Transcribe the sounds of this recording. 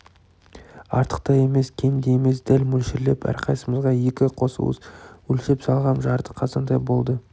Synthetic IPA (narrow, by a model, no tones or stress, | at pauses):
ɑ̰ɾt̪ə̥q̚t̪ɑje̞me̞skʲʰe̞nd̪ejeme̞sd̪ælmɵlʃɪɾle̞pæ̰ɾqʰɑjsəməzʁɑje̞kʲɪqʰo̞sə̰lˠə̰swɵlʃepsɑlˠʁɑnʒɑɾt̪ə̥qʰɑzɑnd̪ɑjbo̞lˠd̪ə